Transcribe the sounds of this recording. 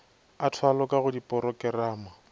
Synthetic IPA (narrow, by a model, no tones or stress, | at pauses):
atʰwalɔkaɣʊdipʼɔɾɔkɛraːma